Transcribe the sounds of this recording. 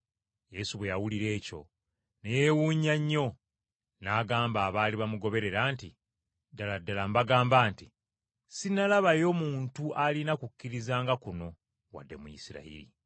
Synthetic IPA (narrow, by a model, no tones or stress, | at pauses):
je̞suβwe̞jawuliɾe̞ːco̞̰ | nejewuːɲaɲːo̞ | naːɡaːmbaːβaːliβamuɡo̞βe̞ɾe̞ɾaːnti | daladːalambaɡaːmbaːnti | sinalaβajo̞ːmuːntuʔalinakukːiɾizaːŋɡakuno̞ | wa̰dːe̞mujḭsiɾa̰ḭɾḭ